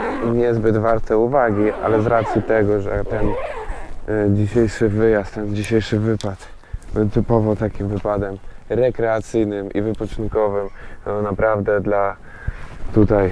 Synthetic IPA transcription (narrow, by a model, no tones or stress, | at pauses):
ɲɛzbɘd̪vaɾt̪ɛuvaɡʲiʔa̰lɛzɾat̪sʲjit̪ɛɡɔʐɛ̰t̪ɛn | d͡ʑiɕejʂɘvɘjast̪ɛnd͡ʑiɕejʂɘvɘpat̪ | bɛwt̪ɘpɔvɔt̪akʲimvɘpad̪ɛmɾɛkɾɛat̪sɘjnɘmḭvɘpɔt͡ʂɘnkɔvɘmɔnapɾavd̪ɛd̪la | t̪ut̪aj